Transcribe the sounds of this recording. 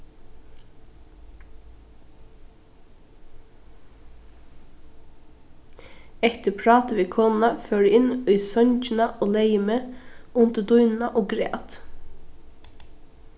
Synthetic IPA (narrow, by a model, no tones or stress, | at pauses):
ɛt̪əpʰɹɑːt̪əʋiːkʰoːnn̩ɑføːɖʉːɪniːsœnçn̩ɑʔoːleɪməʊnt̪əd̪ʊʏnn̩ɑʔoːɡɾḛːt̪